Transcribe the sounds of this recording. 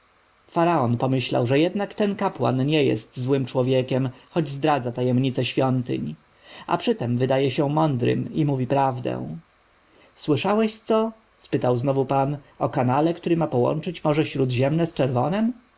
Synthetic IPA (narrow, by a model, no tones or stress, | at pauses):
faɾaɔnpɔmɘɕla̰wʐɛjɛd̪nakt̪ɛnkapwa̰nɲɛjɛ̰st̪zwɘmt͡ʂwɔvʲjɛkʲɛmxɔd͡ʑzd̪ɾad̪zat̪ajɛmɲit̪sɛɕfʲjɔnt̪ɘ̰ɲ | a̰pʂɘt̪ɛmvɘd̪ajɛɕɛmɔnd̪ɾɘ̰mimuvʲipɾavd̪ɛ̰̃w̃ | swɘʂawɛɕt̪sɔ | spɘt̪awznɔvupanɔkanalɛkt̪uɾɘmapɔwɔ̰nt͡ʂɘt͡ɕmɔʐɛɕɾud̪ʑɛmnɛst͡ʂɛɾvɔnɛm